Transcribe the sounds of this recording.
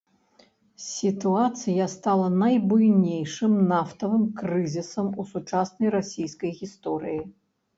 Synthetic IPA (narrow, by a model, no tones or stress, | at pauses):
sʲit̪uat̪sɨjast̪alˠɐnɐjbujnʲejʂɨmnaft̪ɐvɨmkrɨzʲisɐmusut͡ʂasnɐjrasʲijskɐjɣʲist̪ɔɾɨji